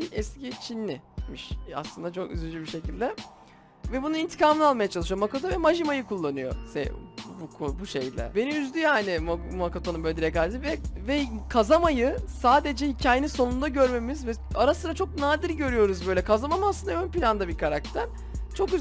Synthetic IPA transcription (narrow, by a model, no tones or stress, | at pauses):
iɛscit͡ʃʰinːʲimiʃa̰slˠɯnd̪at͡ʃʰo̞ky̰zlʲyd͡ʒybiʃe̞cilʲd̪ɛ | vɛbunuint̪ʰi̥kʰaːmɯnalˠmajat͡ʃʰalˠɯʃɯjomakot̪ʰovɛmaʒimajɯkʰulˠːanɯjo̞̰sɛ̰bukʰobuʃejlʲɛ̰beniyzd̪ʲyjaːnɪmmakot̪ʰo̞numbød̪iɾɛkaɾd̪ivɛvɛkʰazamajɯsaːd̪e̞d͡ʒɛhicʰaːjeninso̞nund̪aɟø̞ɾme̞mizvɛaɾasɯɾat͡ʃʰo̞k̚naːd̪iɾɟø̞ɾyjo̞ɾuzbø̞jlʲɛkʰazamamaslˠɯnd̪aønpilʲand̪abiɾkʰaɾak̚t̪ʰæɾ | t͡ʃʰo̞ky